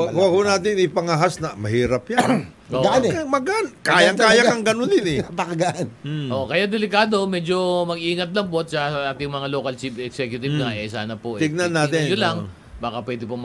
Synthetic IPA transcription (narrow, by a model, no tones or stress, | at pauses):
wɡwɐɡ̚hunaːt̪̬ɪŋɪpɐŋɐɦasnɐmɐhiːɾɐpjan | oɡmɐɡʔankaːjɐŋkaːjakɐŋɡɐnonɪnɛpɐkɐɡɐʔanʔoʔkɐjad̪ɛlɪkaːd̪o̞mɛd͡ʒo̞mɐɡ̚ʔiːŋɐt̪̚lɐŋposɐsɐʔaːt̪ɪŋmɐŋalo̞ːkɐlt͡ʃipɛksɛkjʊt̪ɪbŋɐʔɛsa̰ːnɐpoʔt̪ɪɡ̚nɐnːaːt̪ɪnolaŋ | baːkɐpwɛːd̪ɪpom